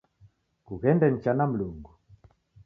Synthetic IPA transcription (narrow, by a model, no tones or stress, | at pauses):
kuɣɛndɛn̩t͡ʃanam̩luŋɡu